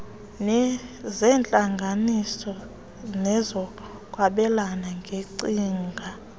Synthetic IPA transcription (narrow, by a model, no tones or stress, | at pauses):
nɛzɛːnt͡ɬʼaŋɡʱanisɔ | nɛzɔ | kʼwaɓɛlanaŋɡʱeǀiːŋɡʱa